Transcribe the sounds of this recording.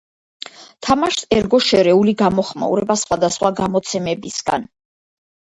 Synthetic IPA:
t̪ʰamaʃsɛɾɡɔʃɛɾɛuliɡamɔχma̰ṵɾɛbasχwad̪asχwaɡamɔt̪sʰɛmɛbisɡa̰n

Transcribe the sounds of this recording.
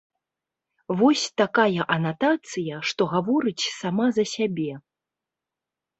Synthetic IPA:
vɔsʲt̪akajɐʔɐnat̪at̪sɨjɐʂt̪ɔɣavɔɾɨt͡sʲsamazɐsʲabʲɛ

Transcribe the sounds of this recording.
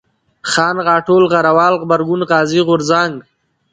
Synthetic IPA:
xɑːnɣɑːʈoːlɣaɾawɑːlɣbaɾɡʊnʁɑːziɣʊɾzaŋɡ

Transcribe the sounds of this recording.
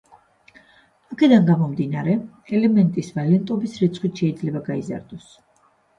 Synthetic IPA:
akʰɛd̪aŋɡamɔmd̪inaɾɛ | ɛlɛmɛnt̪ʼisvalɛnt̪ʼɔbisɾit̪sʰχwit̪ʃɛid̪zlɛbaɡaiza̰ɾd̪ɔs

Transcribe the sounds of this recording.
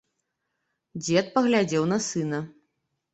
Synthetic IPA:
d͡zʲɛt̪̚pɐɣlʲad͡zʲɛwnɐsɨnɐ

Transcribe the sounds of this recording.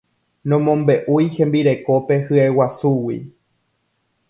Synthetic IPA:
nõmõ̞mbe̞ʔujhẽ̞mbiɾe̞ko̞pe̞hɨewasuwḭ

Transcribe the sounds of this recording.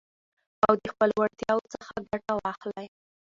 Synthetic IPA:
awd̪əxpəlwaɾt̪jɑwot͡səxaɡaʈawɑxlaj

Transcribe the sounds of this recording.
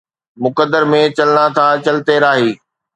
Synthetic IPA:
mʊkəd̪əɾmẽt͡ɕɐlənat̪ʰat͡ɕɐlt̪eɾaːɦiː

